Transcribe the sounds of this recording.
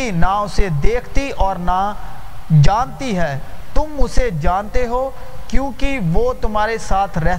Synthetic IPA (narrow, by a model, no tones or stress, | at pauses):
inaʊsed̪eːkʰt̪iʔɔːɾna | d͡ʒaːnt̪iɦɛːt̪ʊmʊsed͡ʒaːnt̪eɦoː | kjõːkiʋoːt̪ʊmɦaːɾesaːt̪ʰɾɛɦ